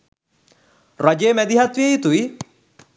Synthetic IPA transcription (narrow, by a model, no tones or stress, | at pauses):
rad͡ʒeːmæd̪iɦat̪ʋiejit̪uʋi